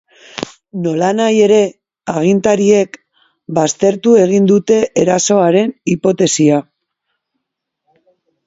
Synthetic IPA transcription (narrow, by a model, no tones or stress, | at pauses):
no̞lanaje̞ɾe̞ | aɣ̞int̪aɾie̞k | bast̪e̞ɾt̪ue̞ɣ̞ind̪ut̪e̞ʔeɾaso̞aɾe̞nipo̞t̪e̞sia